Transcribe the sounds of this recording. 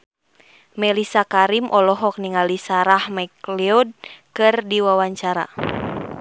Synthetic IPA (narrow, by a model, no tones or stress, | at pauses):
mɛlisakaɾimʔɔlɔɦɔk̚niŋalisaɾahmɛkliɔd̚kɨrdiwawaɲt͡ʃaɾa̰